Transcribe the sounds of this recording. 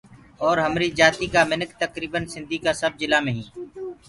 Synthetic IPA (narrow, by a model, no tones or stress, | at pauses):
ɔːɾɦəmɾiːd͡ʒaːt̪iːkamɪnəkt̪əkɾiːbənsɪ̃nd̪ʱiːkasəb̚d͡ʒɪlaːmẽːɦĩː